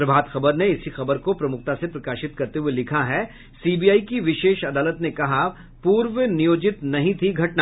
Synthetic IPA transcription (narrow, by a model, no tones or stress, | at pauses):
pɾɐbʱaːd̪xɐbəɾneɪsixɐbəɾkopɾɐmʊk̚t̪asepɾɐkaːʃɪt̪kɐɾt̪eɦuelɪkʰaɦɛ | siːbiːaːikiʋɪʃeːʃɐd̪aːlət̪nekɐɦa | puːɾʋənijoːd͡ʒɪt̪nɐɦĩt̪ʰiɡʱɐʈna